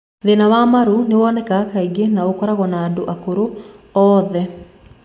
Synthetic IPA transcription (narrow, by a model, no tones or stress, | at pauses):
ðenawamaɾunɪwɔnɛkakaiɡenaokɔɾaɣɔnaːdoʔakoɾoɔːðɛ